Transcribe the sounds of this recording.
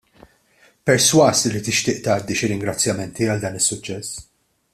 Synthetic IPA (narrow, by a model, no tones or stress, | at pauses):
pɛɾswɐːsɪlːit̪ɪʃt̪ɪːʔt̪ɐːd̪ːiʃɪɾɪŋɡɾɐt͡sːjɐmɛnt̪iɐld̪ɐːnɪsːʊt͡ʃːɛsː